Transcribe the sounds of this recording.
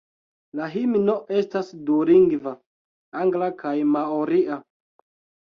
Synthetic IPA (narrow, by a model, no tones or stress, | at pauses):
laɦimno̞ʔe̞stasduɾiŋɡva | aŋɡlakajmaoɾiʔa